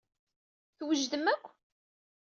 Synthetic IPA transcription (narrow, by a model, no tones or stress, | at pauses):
θwəʒðəməkʷʰː